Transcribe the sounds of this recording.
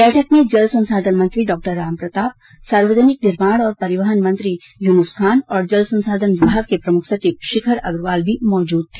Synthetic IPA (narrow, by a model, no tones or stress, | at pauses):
bɛːʈʰəkmẽd͡ʒɐlsɐ̃nsaːd̪ʱənmɐ̃nt̪ɾiɖɔːk̚ʈəɾːaːmpɾɐt̪aːp̚ | saːɾʋəd̪ʱənɪk̚nɪɾmaːɽɔːɾpɐɾɪʋəɦənmɐ̃nt̪ɾi | junʊskʰaːnɔːɾd͡ʒɐlsɐ̃nsaːd̪ʱənʋɪbʱaːɡkepɾɐmʊkʰsɐt͡ʃiːʋʃɪkʰəɾɐɡɾʋaːlbʱimɔːd͡ʒuːd̪̚t̪ʰe̥ː